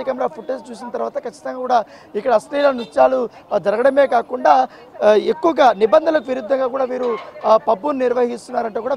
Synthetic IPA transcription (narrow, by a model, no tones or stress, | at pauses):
ikɐmɐɾaːpʰuʈoːst͡ʃuːsinɐt̪ɐɾʋaːt̪ɐkɐt͡ʃːi̥t̪ɐŋɡaːkuːɽaː | ikːɐɽɐsʈiːlɐnut͡ʃːaːlu | d͡ʒɐɾɐɡɐɽɐme̞ːkaːkuɳɖaː | ekːuʋɐɡaːnibɐnd̪ʱɐnlɐk̬uʋiɾud̪ʱːɐŋɡaːkuːɽaːʋiːɾupɐbːunniɾʋɐɦist̪unːaːɾɐɳʈuːkuːɽaː